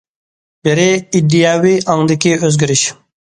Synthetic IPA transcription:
b̥ɪɾɪid̪ːijaːwiʔɑŋd̪ɪkʲiøzɡʲiɾɪʃ

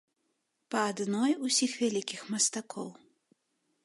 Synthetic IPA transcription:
pɐːd̪nɔjusʲixvʲalʲikʲixmɐst̪akʰɔw

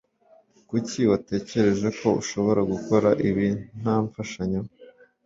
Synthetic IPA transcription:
kuciwate̞ːce̞ɾe̞ʒe̞ko̞uʃo̞βo̞ɾaɡuko̞ɾaʔiβin̥aːɱfaʃaɲo

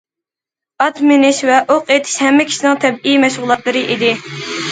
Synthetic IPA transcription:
ɑt̪mɪnɪʃvɛʔoqet̪ʰɪ̥ʃhɛmːɪkʲʰi̥ʃinɪŋt̪ʰɛbijmɛʃʁʊlˠːɑt̪lˠɨɾɨʔid̪ɪ

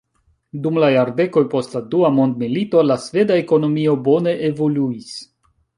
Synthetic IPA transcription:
dumlajaɾde̞ko̞jpo̞stladuamo̞ndmilito̞lasve̞dae̞ko̞no̞mio̞bo̞ne̞ʔevo̞luis

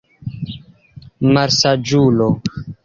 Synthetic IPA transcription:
maɾsad͡ʒuːlo

